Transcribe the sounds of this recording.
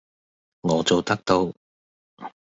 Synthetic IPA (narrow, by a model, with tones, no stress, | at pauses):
ŋɔː˨˧t͡so˨wt̪ɐ˥k̚t̪o˧w